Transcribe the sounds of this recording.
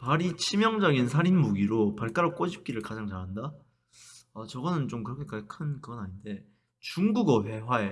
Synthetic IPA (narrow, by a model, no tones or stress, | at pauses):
paɾit͡ɕʰimjʌŋd͡ʑʌɡins̬ʰaɾinmuɡiɾopʌɭk͈aɾok͈oɕʰip̚k͈iɾɯɭkad͡ʑaŋt͡ɕaɦanda | ʌt͡ɕʌɡʌnɯnt͡ɕomkɯɾʌkʰe̞kaɡekʰɯnkɯɡʌnaɲinde̞ | t͡ɕuŋɡuɡʌɸe̞wae